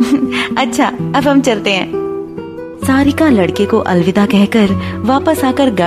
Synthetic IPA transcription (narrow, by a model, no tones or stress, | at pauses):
ɐtːʃʰaːɐbɦɐmt͡ʃɐlt̪eɦɛ̰̃ː | saːɾɪkãlɐɽkekoʔɐlʋɪd̪akɛɦkəɾʋaːpəsaːkəɾɡaː